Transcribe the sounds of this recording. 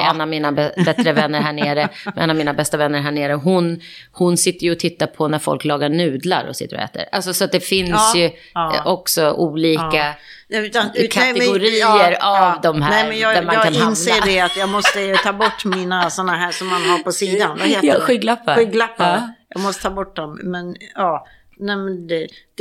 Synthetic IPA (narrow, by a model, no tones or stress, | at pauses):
ɛnːavmiːnabɛbɛt̪ɾəvɛnːəɾɦæːɳeːɾəʔɛ̰nːavmiːnabɛst̪avɛnːəɾɦæːɳeːɾəɦʊn | hʊnsɪt̪ːəɾjɵɔt̪ʰɪt̪ːaɾpʰɔnæɾfɔ̰lklɑːɡaɳʉ̟ːd̪la̰ɾɔ̰sɪ̰t̪ːəɾɔ̰ɛ̰ːt̪ə̰ɾʔa̰lsɔsɔat̪̚d̪ɛfɪnsjɵ | ʔɔksɔʔuːliːka | ɛʉt̪akʰaɛɡʊɾiːəɾavd̪ɔmɦæːɛɛnjɑːd̪æmakːkʰanhɪansleːɖɛɛat̪jɑːɡmɔst̪ət̪ʰɑːbɔʈːminasɔnːaɦæːʂɔmːanɦaɾpʰɔsiːd̪anvaheːɧiːɡlapːaiɡlapːɑjɑ̰ːɡmɔst̪ət̪ʰɑːbɔʈ̚ːd̪ɔmmɛnɑː | nɛmɛnd̪ɛ̥